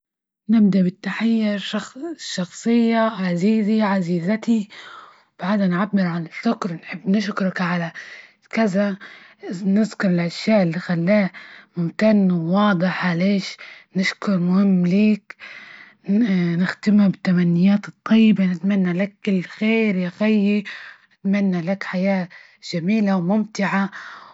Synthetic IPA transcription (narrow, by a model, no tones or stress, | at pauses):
nɪb̚d̪aʔbɪt̪ːaħajːɪʃɑʃɑxsˤɨjːaʕaziːziʕaziːzat̪i | wb̥aʕd̪anʕabːɪɾʕalaʃʊkɾnħɪbːnɪʃkɾˤɑkʕala | kaza | nɪzkʊɾˤɪlʔaʃjaːʔɪlːixalːaːmʊmt̪anːwːɑːd̪ˤɨħaleːʃnɪʃkʊɾˤmʊhɪmːliːk | nɪxt̪ɪmabɪt̪ːamanːɪjaːt̪ɨt̪ˤːɑjːɪbanɪt̪manːalakːɪlːxeːɾjaxajːinɪt̪manːalakħajaː | ʒ̥amiːlawmʊmt̪ɪʕa